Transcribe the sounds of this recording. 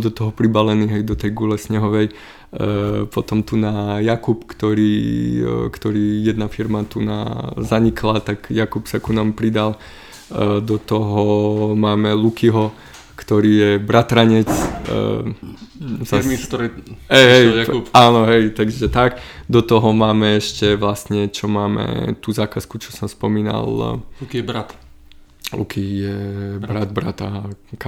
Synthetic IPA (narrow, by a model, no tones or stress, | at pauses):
d̪ɔt̪ɔɦɔpɾibalɛniːɦɛjd̪ɔt̪ɛjɡulɛsɲɛɦɔʋɛj | pɔt̪ɔmt̪unajakupkt̪ɔɾiː | kt̪ɔɾiːjɛd̪nafiɾmat̪una̰zaɲikʰlat̪aɡjakupsakunampɾid̪al | d̪ɔt̪ɔɦɔmaːmɛlukiɦɔ | kt̪ɔɾiːjɛbɾat̪ɾaɲɛt͡s | sa | ɦɛjɦɛjpaːnɔɦɛjt̪aɡʒɛt̪aɡd̪ɔt̪ɔɦɔmaːmɛɛʃcɛʋlast̪ɲɛt͡ʃɔmaːmɛ̰t̪uːzaːkaskut͡ʃɔ̥sɔmspɔmiːna̰llkibɾat̪ | lṵkʰijɛbbɾad̪̚bɾa̰t̪aka